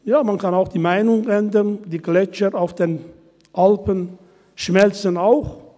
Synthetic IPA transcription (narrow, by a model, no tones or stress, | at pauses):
jaːmankanaʊxd̥iːmaɪnʊŋɛndəndiːɡlɛt͡ʃəaʊfd̥eːn | ʔalpən | ʃmɛlt͡sənaʊx